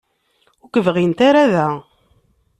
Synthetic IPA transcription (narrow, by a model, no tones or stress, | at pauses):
ʊkəvʁint̪aɾæðæ